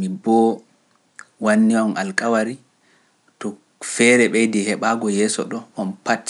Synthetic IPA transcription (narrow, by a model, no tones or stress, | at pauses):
mibɔ | wanːiwamalkawaɾi | tɔ | fɛɾɛɓɛjdɛhɛɓaɡɔjɛsɔ̰ɗɔɔnpatː